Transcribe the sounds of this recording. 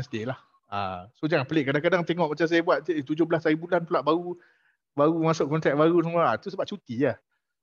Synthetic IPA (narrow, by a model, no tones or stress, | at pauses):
nsədiəlah | a̰sod͡ʒaŋanpəlɪʔkadaŋkadaŋt̪eŋɔʔmat͡ʃams̬ajabuat̪̚ʔt̪ud͡ʒʊhblasaɾibulanpəlaʔbaɾu | baɣumãsoʔkɔnt̪ɾɛk̚baɾusəmɔat̪usəbap̚t͡ʃut̪ia